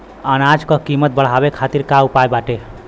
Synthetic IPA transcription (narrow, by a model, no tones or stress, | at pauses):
ənad͡ʒkəkimət̪̚bəɽ̤ɦabekʰat̪iɾkaupajbaʈe